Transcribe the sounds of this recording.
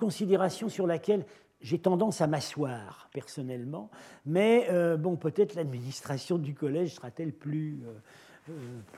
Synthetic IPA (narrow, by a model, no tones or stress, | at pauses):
kɔ̃sid̪eʁasjɔ̃syʁlakʲɛl | ʒet̪ɑ̃d̪ɑ̃samaswaːʁpɛʁsɔnɛlmɑ̃mɛøbɔ̃pøt̪ɛt̪χlad̪minist̪χasjɔ̃d̪ykɔlɛʒsəʁat̪ɛlplyø | p